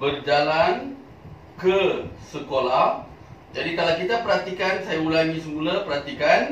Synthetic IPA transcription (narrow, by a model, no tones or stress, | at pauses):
bərd͡ʒalan | kəsəkola | d͡ʒadikalawkit̪apəɾɦat̪ikansajaulaɲĩsəmulapəɾɦat̪ikan